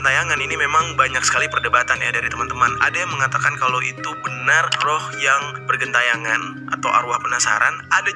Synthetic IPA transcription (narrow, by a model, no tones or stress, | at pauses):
nt̪ajaŋaninimemaŋbaɲak̚sə̥kalipərdəbat̪anja̰daɾit̪əmant̪əmana̰dajaŋməŋat̪akankalowit̪ubənarrɔhjaŋbərɡənt̪ajaŋan | ʔa̰t̪awʔa̰ɾuahpənasa̰ɾa̰nada